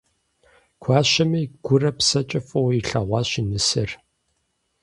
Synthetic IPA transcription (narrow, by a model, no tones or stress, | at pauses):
kʷʰaːɕɐmiːɡ̥ʷʊrɐpsɐt͡ʃʼɐfʼɐwiɬɐʁʷɑɕinɨsɨr